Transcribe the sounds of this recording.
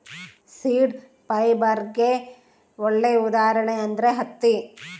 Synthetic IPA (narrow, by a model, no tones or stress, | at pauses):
siːɖ | pɐjbɐɾɡe | oɭːeud̪aːɾɐɳeɐnd̪ɐɾeɦɐt̪ːi